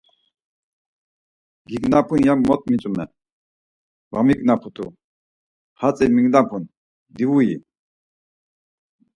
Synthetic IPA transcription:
ɡiknapʰunjamːɔt̪̚mit͡sʼumɛ | vaŋmik̚napʰut̪ṵ | hat͡sʼɛmiŋd̪apʰun | d̪iwujḭ

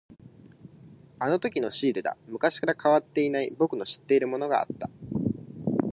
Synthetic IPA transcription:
ano̞t̪o̞kʲino̞ɕiːɾɯd̪a̰mɯ̟kaɕi̥kaɾakʰaβat̪ːe̞inaibo̞kɯ̟no̞ɕi̥t̪ːe̞iɾɯ̟mo̞no̞ɡa̰a̰t̪ːḁ

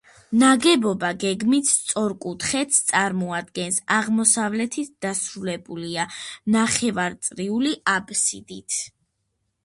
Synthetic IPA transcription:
naɡɛbɔbaɡɛɡmit̪t̪sʼɔɾkʼut̪ʰχɛt̪st̪sʼaɾmɔad̪̚ɡɛnsaʁmɔsavlɛt̪ʰit̪̚ʰd̪̥asɾulɛbulianaχɛvaɾt̪sʼɾiuliʔabsid̪it̪ʰ

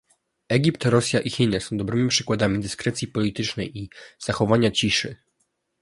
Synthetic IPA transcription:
ɛɡʲipt̪ɾɔsʲjaʔixʲinɛsɔ̃w̃d̪ɔbɾɘmʲipʂɘkwad̪amʲid̪ɘskɾɛt̪sʲjipɔlʲit̪ɘt͡ʂnɛjiz̥axɔvaɲat͡ɕiʂɘ

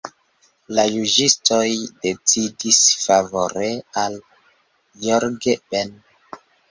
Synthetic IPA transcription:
lajud͡ʒisto̞jde̞t͡sidisfavo̞ɾeal | joɾɡeben

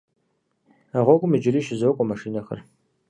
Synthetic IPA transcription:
aʁʷɔɡʷʼʊmɨd͡ʒɪɾiːʃɪzɐwkʷʼɔmɐʂiːnɐxɐ̰r

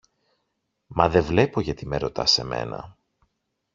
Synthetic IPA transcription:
mɐðe̞vle̞po̞ʝɐt̪imeɾo̞t̪ɐ̰se̞me̞̰nɐ̰

